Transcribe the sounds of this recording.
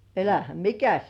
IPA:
elæhæm mikæs

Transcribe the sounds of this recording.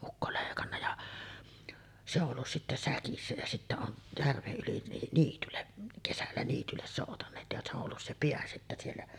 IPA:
ʔukːo leˑikɑnːɑ jɑ se olːus sitːæ sækisːæ jæ sitːæ on jærʋeʔ ʔyli ni niːtylːeʔ kesælːæ niːtylːes soˑutɑnˑeːt jɑ se o olːus se peæ sitːæ sielːæ

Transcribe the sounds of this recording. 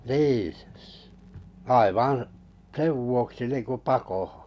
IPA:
niː ɑiʋɑ̃ː seʋ ʋuoksi niːŋku pɑkoho̥

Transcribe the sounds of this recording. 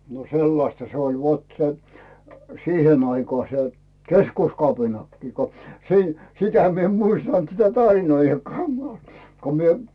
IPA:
no selːɑstɑ se olʲ ʋot se siːhen ɑikɑː se keskuskɑpinɑkːiː ko siː sitæ mi em muistɑnt sitæ tɑrinoijːɑkːɑː ko mie

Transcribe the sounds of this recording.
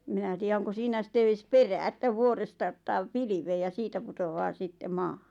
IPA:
em̆ minæ tiːæ oŋko siːnæ sĭtːe eːs peræː etːæ ʋuorestɑ otːɑː piliʋeː jɑ siːtæ putoʋɑː sitːe mɑːhɑ̥

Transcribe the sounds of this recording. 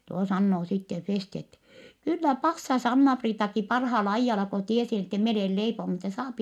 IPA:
tuo sɑnːoː sitːe festi etːɛ kylːæ pɑsːɑs ɑnːɑpriːtɑki pɑrhɑːl ɑijːɑlɑ ko tiesi etːɛ mi oleˑl leiponu etːɛ sɑːpi

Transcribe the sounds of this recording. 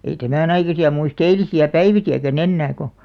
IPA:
ei tæmæn ɑikɑsiɑ muist eilisiæ pæiʋikiækæn enːæː ko

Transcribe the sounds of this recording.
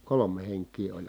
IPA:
kolome heŋkˑiː olʲ

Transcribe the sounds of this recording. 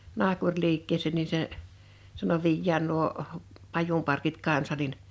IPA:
nɑhkurʲliːkːeːseˑn ni se sɑno ʋiːjːæːn nuo pɑjumpɑrkit kɑnsɑ nin

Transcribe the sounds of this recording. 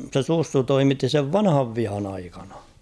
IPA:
se susːu toimitːi seʋ ʋɑnhɑʋ ʋihɑn ɑikɑnɑ̥

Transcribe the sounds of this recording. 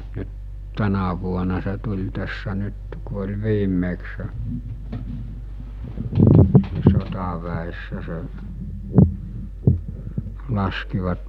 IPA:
nyt tænæ ʋuonɑ se tulʲ tæsːæ nyt ku olʲ ʋiːmˑekse̥ ni sotɑʋæesːæ se lɑskiʋɑt

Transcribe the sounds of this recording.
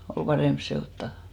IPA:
ol pɑremp seoˑtːɑˑ

